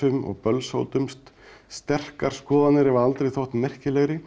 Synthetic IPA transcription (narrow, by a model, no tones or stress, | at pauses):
ʏmɔ̰ɣpœlso̰wt̪ʏmst̪st̪ɛr̥kaɾ̥skɔːðanɪɾɛvaalt̪ɾejθowht̪mɛr̥cɪlɛɣɾɪ